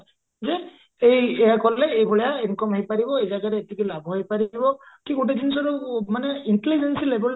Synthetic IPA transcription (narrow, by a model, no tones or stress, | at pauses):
zɛ | ejɛjakɔlɛejbɔɭɔjainkɔmɦejpaɹibɔejzaɡaɾɛetikilabʱɦejpaɹibɔkiɡutedinsɔɾɔmanɛinʈelid͡ʒensilebɛl